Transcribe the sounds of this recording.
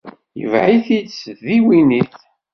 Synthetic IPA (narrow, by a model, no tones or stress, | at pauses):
jə̰vʕiθit͡sːðiwiniθ